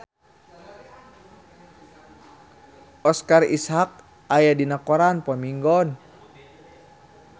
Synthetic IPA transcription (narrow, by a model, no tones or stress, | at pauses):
ɔskarishak̚ | ajadinakɔɾanpɔmiŋɡɔn